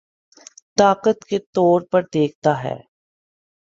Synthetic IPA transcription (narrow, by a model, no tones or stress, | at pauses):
t̪aːqət̪ket̪ɔːɾpɐɾd̪eːk̚ʰt̪aɦɛ̰ː